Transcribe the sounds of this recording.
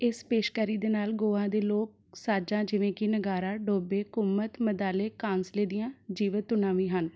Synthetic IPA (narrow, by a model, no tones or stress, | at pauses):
ɪspeːʃkəɾiːd̪eːnaːlɡoːãːd̪eːloːk̚saːd͡ʒãːd͡ʒɪʋẽːkɪnəɡaːɾaːɖoːbeːkʊmːət̪məd̪aːleːkãːnsleːd̪ɪjãːd͡ʒiːʋət̪ʊnãːʋĩːɦən